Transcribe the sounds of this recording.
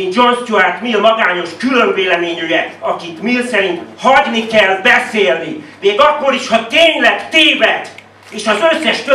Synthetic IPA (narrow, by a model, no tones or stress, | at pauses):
ind͡ʒonst͡ʃuaːt̪miɒmɒɡaːɲo̞ʃkyløɱveːlɛmeːɲyjɛk̪ɒkit̪milsɛɾint̪hɒɟnikɛlbɛseːlnimeːɡɒkːo̞ɾiʃhɒt̪eːɲlɛkt̪eːvɛt̪ | eːʃɒzøsːɛʃkø